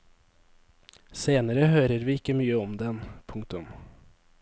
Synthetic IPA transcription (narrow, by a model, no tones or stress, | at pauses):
seːnəɾəhøːɾəɾʋiːɪkːəmyːəɔmd̪ɛnpʰʊŋk̚t̪ʊm